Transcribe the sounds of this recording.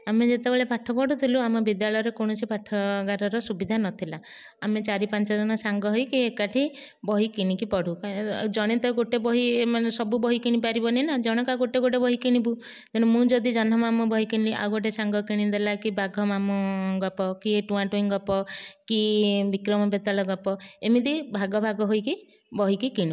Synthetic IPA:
amed͡ʒet̪ebeɭepaʈʰɔpɔɽut̪ʰiluamɔbid̪jaɭɔjɔɾekoɽ̃ɔsipʰaʈʰːɔɡaɾɔɾɔsubid̪ʱanɔt̪ʰila | amet͡ʃaɾipant͡ʃɔd͡ʒɔnɔsaŋɡɔɦɔjkiekaʈʰi | bɔɦikiɽ̃ĩkipɔɽ̤ukd͡ʒɔɽ̃et̪ɔɡoʈebɔɦimanesɔbubɔɦikiɽ̃ĩpaɾibɔnenad͡ʒɔɽ̃ɔkaɡoʈeɡoʈ̬ebɔɦikiɽ̃ĩbu | t̪eɽ̃umũd͡ʒɔd̪id͡ʒɔnɔmamubɔɦikiniliʔa̰wɡoʈ̬esaŋɡɔkiɽ̃ĩd̪elakibʱaɡʱɔmamuɡɔpɔkieʈuãʈuiŋɡɔpɔkibikɾɔmɔbet̪alɔɡɔpɔemid̪ibʱaɡɔbʱaɡɔɦojki | bɔɦikikiɽ̃i

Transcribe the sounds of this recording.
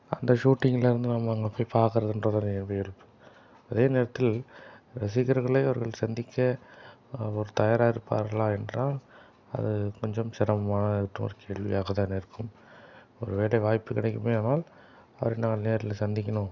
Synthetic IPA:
ɐ̰nd̪ɐʃuːʈːɪŋɡɪlɪɾɯnd̪ɯnaːmɐaːŋɡɐɭpːoːjpaːɾkɯɾɐðɯndrɐðanɛbɐɛɾɯpːɯ̥ | ɐðeːneːɾɐt̪ːɪlɾɐs̬ɪkːɐɾɣɐɭɐɪɐʋɐɾɣɐɭsɐnd̪ɪkʲːɐ | ɔɾɯt̪ɐjaːɾaːɪɾɯpːa̰ːɾɣɐɭaːɛndraːl | ɐ̰ðɯkɔɲd͡ʒɐmsɪɾɐmɐmaːnɐɯʈːɯmɔ̰ɾɯkʰeːɭʋɪ̰jaːɣɐt̪aːnɪɾɯkːɯm | ɔɾɯʋeːɽɐʋaːjpːɯkɪɽɛkʲːɯmeːaːnaːl | ɐʋɐɾɐnaːŋɡɐɭneːɾɪlɐsɐnd̪ɪk̬ʲːɐɳõː

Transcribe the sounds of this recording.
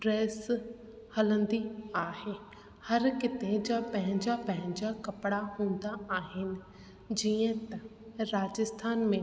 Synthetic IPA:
ɖɾɛːs | hələ̃nd̪iaːhe | həɾkɪt̪ẽd͡ʒapɛɦɪ̃ɲd͡ʒapɛɦɪ̃ɲd͡ʒakɐpɽaɦõːnd̪aaːɦɪnɪ̆ | d͡ʒiːə̃t̪ɐ̃ɾaːd͡ʒəst̪ʰaːnmẽː

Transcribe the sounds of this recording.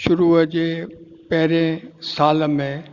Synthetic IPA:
ʃʊɾuːəd͡ʑeː | pɐɦɪɾẽsaːləmẽ

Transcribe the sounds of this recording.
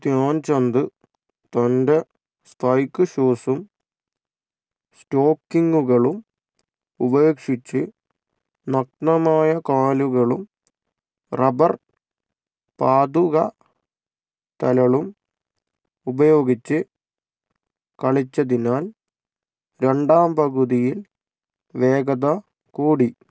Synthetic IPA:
d̪jaːnt͡ɕɐnd̪ɨ | t̪ɐnde̞ | st̪ʰɐjkːɨɕoːsum | sto̞ːkːiŋɡuɣɐɭum | ubɐːkʂit͡ɕːɨ | nɐk̚nɐmaːjɐkaːluɣɐɭum | rɐbɐr | paːd̪uɣɐ | t̪ɐlɐɭum | ubɐjo̞ːɡit͡ɕːɨ | kɐɭit͡ɕːɐðinaːl | ɾe̞ɳɖaːmpɐɣuðijil | ʋe̞ːɡɐðɐ | kuːɽi

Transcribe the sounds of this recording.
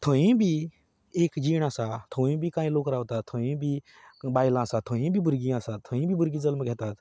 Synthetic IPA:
t̪ʰoĩbʱi | eːkd͡ʒiːɽ̃aːsat̪ʰoĩbʱikãːĩloːkɾaːʋt̪aːt̪ʰoĩbʱi | baːjlãːsat̪ʰoɦĩbʱibʊɾɡiãːsat̪ʰõĩbʱibʊɾɡĩd͡zəlmɡʱet̪aːt̪

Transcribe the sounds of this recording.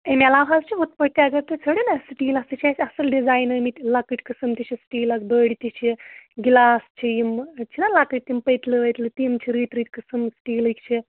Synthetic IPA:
emalaʋazt͡ʃʰiɦot̪̚pəɽt̪eɐɡəɾt̪et͡sʰəɽenasʈiːlast̪it͡ʃʰiasɐsəlɖid͡zajnəmit̪lakəʈʲkəsɨmt̪it͡ʃʰisʈiːlasbəɽit̪it͡ʃʰiɡlast͡ʃʰijimt͡ʃʰinalakəʈ̚t̪impəjt̪ləʋəjt̪lət̪imt͡ʃʰiɾiːt̪ɾiːt̪ʲkəsɨmsʈiːləkt͡ʃʰi

